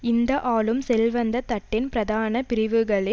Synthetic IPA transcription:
ɪnd̪ɐʔaːɭɯmsɛlʋɐnd̪ɐt̪ɐʈːɪnpɪɾɐðaːnɐpɪɾɪʋɯɣɐɭɪ

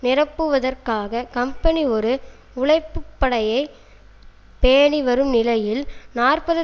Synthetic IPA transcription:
nɪrɐpːɯʋɐðɐrkaːɣɐkɐmpɐniɔɾɯ | ʊɭɐɪpːɯpːɐɽɐjɐɪ | peːɳiʋɐɾɯmnɪlɐjɪlnaːrpɐðɯ

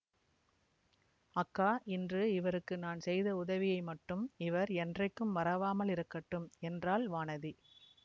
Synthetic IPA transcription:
ɐkːaːʔɪndrɯɪʋɐɾɯkːɯnaːnsɛjðɐʊðɐʋɪjɐɪmɐʈːɯmɪʋɐɾɛndrɐɪkːɯmʋɐɾɐʋaːmɐlɪɾɯkːɐʈːɯmɛndraːlʋaːnɐði

